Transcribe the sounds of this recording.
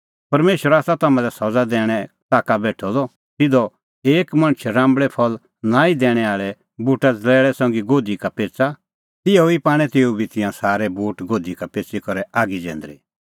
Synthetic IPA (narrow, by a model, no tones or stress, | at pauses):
pɐɾmeːʃwəɾaːsat̪aːmãlɛsɔd͡zad̪ɛːɽ̃ɛ | t̪aːkabɛːʈʰɔlɔ | t̪ɪd̪ɔ | eːkmɐ̃ɽ̃t͡ʃʰɾãːmbɭɛpʰɔl | naːid̪ɛːɽ̃ɛaːɭɛ | buːʈad͡zlɛːɭɛsɔ̃ːŋ̆ɡiɡoːd̪ikapeːt͡sa | ɪɔipaːɽ̃ɛt̪eːubʱit̪ɪ̃jãsaːɾɛbuːʈɡoːd̪ikapeːt͡sikɔɾɛʔaːɡid͡ʒɛ̰̃ːnd̪ɾḭ